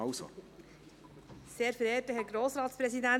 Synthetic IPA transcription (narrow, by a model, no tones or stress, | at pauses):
ɑʊso̰ | seːɾfəɾeːtəɦɛɾɡɾoːsɾɑːtspɾɛsidæ